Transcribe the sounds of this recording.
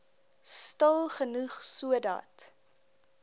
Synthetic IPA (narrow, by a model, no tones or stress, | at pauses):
stəlˠχənuχsuədɑ̰ːt